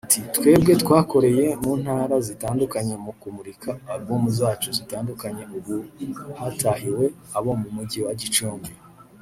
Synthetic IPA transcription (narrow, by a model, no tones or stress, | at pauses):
atʰitkwe̞ːb̚ɡe̞tkwaːko̞ɾe̞je̞muːn̥haːɾazitaːndukaɲe̞mukumuɾikʰaːɡuːmuzaːt͡ʃuzitaːndukaɲe̞uβuhatahiwe̞ | aβo̞mumuɟiwaɟit͡ʃuːmbi